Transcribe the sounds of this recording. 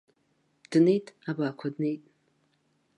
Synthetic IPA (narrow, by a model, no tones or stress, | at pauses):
d̥ne̞jtʼabaːkʷʰadne̞jtʼ